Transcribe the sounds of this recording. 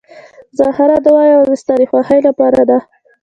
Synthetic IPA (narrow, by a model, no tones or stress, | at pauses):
zɑhaɾad̪əwɑjawd̪əst̪ɑɾixwɑhajlapɑɾad̪a